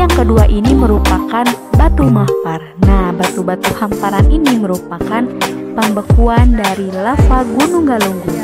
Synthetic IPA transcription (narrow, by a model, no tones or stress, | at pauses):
jaŋkəduaʔiniməɾupakanbat̪umapar | nahbat̪ubat̪uhampaɾaniniməɾupakanpəmbəkuandaɾilafaɡunuŋɡaluŋɡu